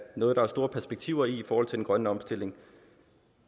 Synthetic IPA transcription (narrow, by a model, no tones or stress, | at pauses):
nɔːð̞̩ˠd̥ɑæɐsd̥o̝ːɐpʰæɐsb̥e̝ɡ̥̚t͡sʰiʊ̰ɐiːfɒːhɒl̰t͡sʰe̝d̥enɡ̥ʁɶnəɒ̽msd̥e̝le̝ŋ